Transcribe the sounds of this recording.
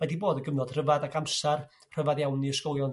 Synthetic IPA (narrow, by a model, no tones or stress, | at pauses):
madiboːdəɡəmnɔd̥r̥əvadaɡamsar | r̥əvaðjawniəskɔlˠjɔn